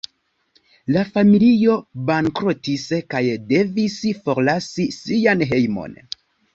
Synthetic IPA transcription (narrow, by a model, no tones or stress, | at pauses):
lafamilio̞baŋkɾotiskajde̞visfo̞ɾlasisianɦe̞jmo̞̰n